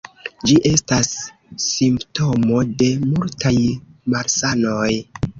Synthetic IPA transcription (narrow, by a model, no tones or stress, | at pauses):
d͡ʒiʔe̞stasː | impto̞mo̞de̞multʰajmaɾsano̞j